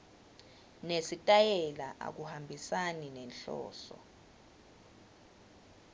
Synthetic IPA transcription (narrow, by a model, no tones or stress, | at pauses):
nesitʼajɛlaʔa̰k̬uhambʱisaninɛnɬɔ̰ːsɔ̰